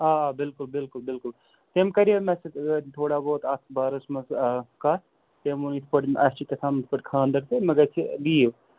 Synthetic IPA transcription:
aːbɪlkʊlbɪlkʊlbɪlkʊl | t̪emkɐɾimesɐt̪ʰoːɽaboːt̪at̪baːɾɐsmɐskaːt | t̪emunit̪ʰpɐʈʔɐsʈit̪ɐt̪ʰaːmt̪pɐʈkʰãːnd̪ɐk̚t̪emɐɡɐt͡ʃʰiliːw

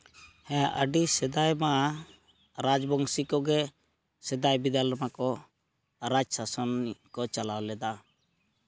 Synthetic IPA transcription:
hɛ̃aʔəɖisɛd̪ajmaʔa | ɾad͡ʒbɔŋsikɔɡɛ | sɛd̪ajbid̪almakɔ | ɾad͡ʒsasɔnkɔt͡ʃalawlɛd̪a

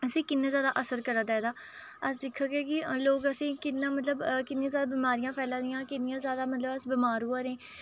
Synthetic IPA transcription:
əsĩːkɪnːãːzjaːd̪aːʔəsəɾkəɾad̪ɛːd̪aː | əs̬d̪ɪkʰːaːɡeːkɪloːɡəsĩːkɪnːãːmət̪̬ləbkɪnːĩːzjaːd̪aːbiːmaːɾijãːpʰɛːlãːd̪ɪjãːkɪnːɪjãːzjaːd̪aːmət̪ləbəsbiːmaːɾuaːɾẽː

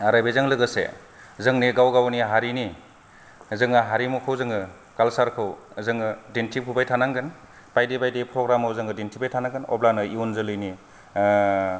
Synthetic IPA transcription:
aɾajbejzaŋlɯɡɯsḛ | zɯŋneɡawɡawniɦaɾini | zɯŋɯɦaɾimukʰɯwzɯŋɯ | kalsaɾkʰɯwzɯŋɯdintʰipʰubajtʰanaŋɡɯn | pajdebajdepɾɔɡɾamɯwzɯŋɡɯdintʰibajtʰanaŋɡɯnɔ̰blanɯiunzɯlɯjni

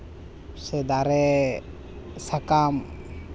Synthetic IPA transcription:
sɛd̪aɾɛ | sakam

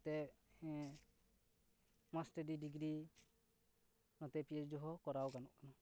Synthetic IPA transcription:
t̪ɛ | masʈəɖiɖiɡɾi | nɔt̪ɛpied͡ʒd͡ʒɔɦɔkɔɾawkanɔ̰ʔkana

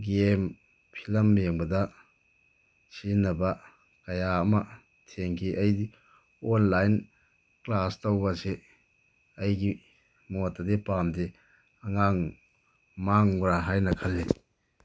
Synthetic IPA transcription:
ɡem | pʰilɐmːeŋbɐdɐ | sinːɐbɐ | kɐjaɐmɐ | tʰeŋkʰiʔɐjdi | onlajn | klastowbɐse | ɐjɡi | motːɐdepamde | ɐŋaŋ | maŋuɾaɦajnɐkʰɐlːe

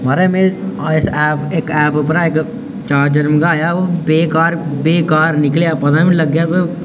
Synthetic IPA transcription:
maɾemeɪsɛːpeːkɛːpopɾaeːk | t͡ʃaːɾd͡ʒəɾmkɡajaʋobeːkaːɾbeːkaːɾnɪkleapɐd̪amĩlɐɡːjape

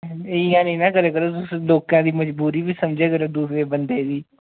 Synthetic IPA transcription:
ɪãːnĩːnãːkəɾeːkəɾoːt̪ʊsloːkãːd̪iːməd͡ʒbuːɾiːbiːsəmd͡ʒeːɡəɾoːd̪uːsɾeːbənd̪eːd̪iː

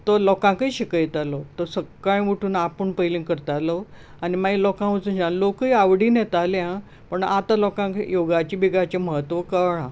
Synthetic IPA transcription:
t̪ɔlɔkãŋkəiɕikəjt̪alot̪ɔsəkːaɭ̃ʋuʈʰuːnapəɳpəjlĩŋkəɾt̪alɔ | animailɔkãʋət͡sũnd͡ʑanlokəiaʋɽiːnjet̪aljã | pəɳat̪alɔkãkjoɡat͡ɕiːbiɡat͡ɕẽməɦət̪ʋəkəɭã

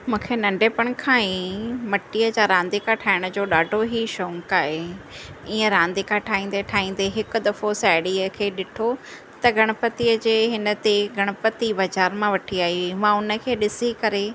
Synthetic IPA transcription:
mũːkʰenɐ̃ɳɖʱeːpəɽ̃kʰãimɐʈːiəd͡ʑaɾãːnd̪ikʰãʈʰaːɪɽ̃əd͡ʑoːɗaːɖʱoɦiʃɔːŋkaːɦe | iːə̃ɾãːnd̪ikʰãʈʰaːĩːn̆d̪eʈʰaːĩːn̆d̪eɦɪkʊd̪ɐfosaːɪɽiəkʰeːɗɪʈʰo | t̪ɐɡɐɽ̃əpət̪iəd͡ʑeːɦɪnət̪eɡʱɐɽ̃əpət̪ibɐd͡ʑaːɾmãʋɐʈʰiaːɦimãʊnə̆kʰeːɗɪsikɐɾe

